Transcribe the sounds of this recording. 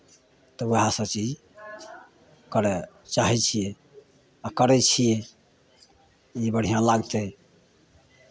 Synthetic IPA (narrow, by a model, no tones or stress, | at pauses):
t̪ɔweɦãsəbt͡ʃid͡ʒ | kəɾɛ | t͡ʃaɦɛt͡ʃʰije | akəɾɛt͡ʃʰijɛ | ibəɽ̤ijãlaɡd͡ʒaj